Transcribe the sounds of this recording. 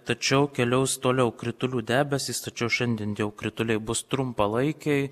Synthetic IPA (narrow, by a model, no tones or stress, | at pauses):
t̪ɐt͡ʃʲɛʊkʲɛlʲɛʊst̪oːlʲɛʊkɾʲɪt̪ʊlʲuːd̪ʲæːbʲɛsʲɪst̪ɐt͡ʃʲɛʊʃʲɛnʲd̪ʲɪɛnt̪ʲiɛʊkɾʲɪt̪ʊlʲɛɪbʊst̪ɾʊmpɐlˠɐɪkʲɛɪj